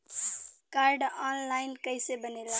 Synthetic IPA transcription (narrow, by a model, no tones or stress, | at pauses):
kaɾɖanlajnkəjsebənela